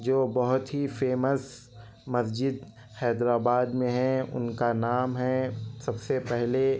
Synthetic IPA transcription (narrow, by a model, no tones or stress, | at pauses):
d͡ʒoːbɔɦʊt̪ɦifeːməs | mɐsd͡ʒɪd̪ | hɛːd̪ɾaːbaːd̪mẽɦɛ̃ʊ̰nkanaːmɦɛsɐbsepɛɦle